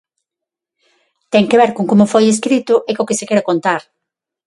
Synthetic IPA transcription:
t̪ɛŋkeβɛɾkoŋkomʊfojeskɾit̪ʊʔekokɪsɪkɛɾakont̪aɾ

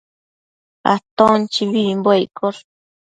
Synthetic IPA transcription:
a̰t̪ont͡ʃiβimbwejkʰol

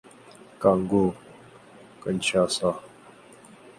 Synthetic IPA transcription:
kaŋɡo | kənt͡ʃʰasa

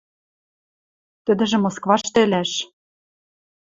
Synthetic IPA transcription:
t̪ɘ̆d̪ɘ̆ʒɘ̆moskvɑʃt̪ɘ̆lʲæʃ

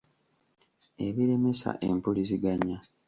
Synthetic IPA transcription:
e̞βiɾe̞me̞sa̰ʔempuliziɡaɲːa

